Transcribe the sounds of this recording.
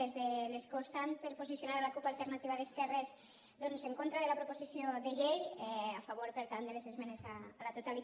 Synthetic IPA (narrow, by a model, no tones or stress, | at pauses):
ezðeleskost̪anpeɾposisjonaɾalakupalˠt̪eɾnat̪iβ̞aðeskɛres | d̪onseŋkont̪ɾaðelapɾoposisijoðeʎejɛafaβ̞oɾpeɾt̪and̪elesezmenesaːlat̪ot̪ali